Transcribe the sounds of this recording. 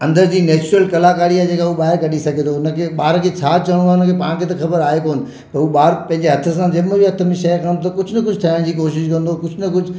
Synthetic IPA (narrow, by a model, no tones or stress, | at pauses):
ɐ̃nd̪əɾd͡ʑiːnɛːt͡ɕɾəlkɐlakaːɾiaːed͡ʑeːkauɓaːɪɾkɐɖʱisɐɡʱet̪ʰoʊnəkʰeɓaːɾkʰet͡ɕʰaːt͡ɕɐɽ̃ũaːʊnəkʰepãːɽ̃kʰeːt̪ɐxɐbəɾaːɦekoːnɪ̆ | pɐɾuːɓaːɾpɐ̃ɦɪ̃ɲd͡ʑeɦɐt̪ʰə̆s̬ãd͡ʑɐməbiɦɐt̪ʰə̆mẽʃɐkʰãːnot̪ɐkʊd͡ʑʱnɐkʊd͡ʑʱt̪ʰaːɪɽ̃d͡ʑiːkoːʃɪʃkɐ̃nd̪okʊd͡ʑʱnɐkʊd͡ʑʱ